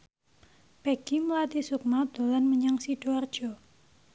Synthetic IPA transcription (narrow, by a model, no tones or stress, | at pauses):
pɛɡ̥iməlat̪isuk̚mad̪̥o̤lanməɲaŋsiɖ̥oard̥ʒ̥ɔ